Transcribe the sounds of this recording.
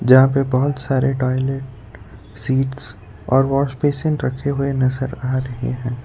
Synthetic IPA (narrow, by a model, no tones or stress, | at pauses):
d͡ʒɐɦãpebɔɦʊt̪saːɾeʈɔːɪleʈ | siːʈs | ɔːɾʋɔːʃpeːsɪ̃nɾɐkʰeɦʊenɐzəɾaːɾɐɦḛɦɛ̃ː